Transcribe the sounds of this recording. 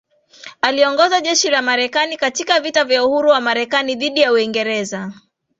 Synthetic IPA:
aliɔŋɡɔzaʄɛʃilamaɾɛkanikatikavitavjauhuɾuwamaɾɛkaniðiɗijauiŋɡɛɾɛza

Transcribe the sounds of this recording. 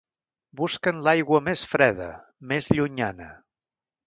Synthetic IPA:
buskənlajɣwəmesfɾɛðə̰ | mezʎuɲanə

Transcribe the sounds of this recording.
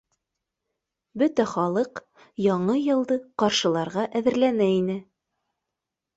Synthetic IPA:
bɵt̪æχɑlˠɤq | jɑɴɤjɤ̆lˠd̪ɤqɑɾʃɤ̆lˠɑɾʁɑʔæðɘ̆ɾlænæinɘ

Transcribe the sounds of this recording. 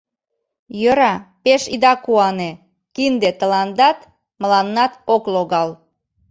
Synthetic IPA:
jəɾɑpeʃid̪ɑkuɑne | kind̪et̪əlɑnd̪ɑt̪ | məlɑnːɑt̪okloɣɑl

